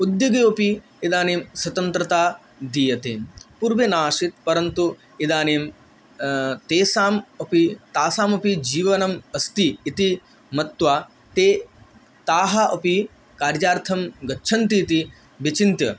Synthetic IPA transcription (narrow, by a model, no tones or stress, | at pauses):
ud̪jɐɡeɐpi | id̪aːneːmswɐt̪ɐnt̪ɾɐt̪aː | d̪iːjɐt̪eːmpuɾʋenaːʂit̪̚pɐɾɐnt̪u | id̪aːneːm | t̪eːsaːmɐpit̪aːsaːmɐpid͡ʒiːʋɐnɐmɐst̪iːt̪i | mɐt̪ʋaː | t̪eː | t̪aːɦɐʔɐpi | kaːɾjaːɾt̪ʰɐmɡɐtːʃʰɐnt̪iːt̪i | bɐt͡ʃint̪jɐ